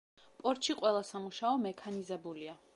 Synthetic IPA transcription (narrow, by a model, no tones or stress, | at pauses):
pʼɔɾt̪ʃiqʼwɛlˠasamuʃaɔmɛkʰanizɛbulia